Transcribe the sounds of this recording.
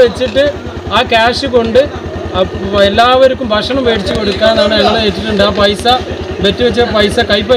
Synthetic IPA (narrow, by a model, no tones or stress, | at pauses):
et͡ɕːiʈːɨ | aːkaːʂɨko̞ɳɖɨ | elːaːʋɐɾukːumbʱɐʂɐɳumʋeːɽit͡ɕːɨko̞ɽukːaːnaːɳɨneŋːɐɭeeːtːiʈːuɳɖɨaːpɐjsa | ʋe̞tːuʋet͡ɕːɐpɐjsɐkɐjp̬ːɐ